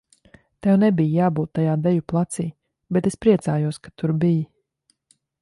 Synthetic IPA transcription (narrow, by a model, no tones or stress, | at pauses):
t̪ɛwnɛbijjaːbuːt̪ːajaːd̪ɛjuplˠat̪siː | bɛt̪espɾiɛt̪saːjuɔskat̪uɾbiji